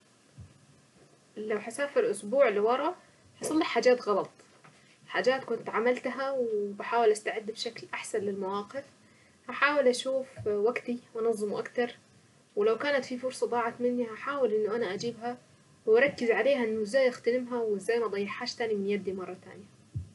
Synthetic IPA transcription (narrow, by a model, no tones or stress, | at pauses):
lawħasaːfilʔʊsbuːʕliwɑɾˤɑʔ | hɑsˤɑlːiħaːd͡ʒaːt̪ɣɑlɑt̪ˤ | ħaːd͡ʒaːt̪kʊnt̪ʕamalt̪ɦawɪbɪħaːwɪlʔast̪aʕɪd̪ːbʃaklʔaħsanlɪlmawɑːqɪf | haħaːwɪlʔaʃuːfwaɡt̪iʔɑnɑzˤːɨmuʔakt̪ɑɾˤ | wɪlawkaːnat̪fifʊɾsˤɑd̪ˤɑːʕɑt̪mɪnːihaħaːwɪlʔɪnːʊʔanaʔad͡ʒiːbɦa | wɑɾˤɑkːɪzʕaleːɦaʔɪnːʊɪzːaːjʔaxt̪anɪmɦawɪzːaːjmʔɑd̪ˤɑjːɪħːaːʃt̪aːnimɪnjad̪ːimɑrˤːɑt̪a̰ːnja